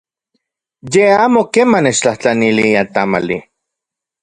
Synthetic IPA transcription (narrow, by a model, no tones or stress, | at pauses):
jeaːmokemanet͡ʃt͡ɬaht͡ɬaniliat̪ama̰li